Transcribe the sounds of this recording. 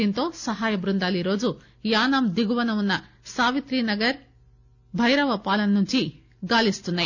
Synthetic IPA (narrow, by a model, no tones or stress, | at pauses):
int̪o̞ːsɐɦaːjɐbɾund̪aːliɾo̞ːd͡ʒu | jaːnaːmd̪iɡuʋɐnɐmunːɐ | saːʋit̪ɾiːnɐɡɐɾ | bʱɐjɾɐʋɐpaːlɐnɐnuɲt͡ʃi | ɡaːlist̪unːaj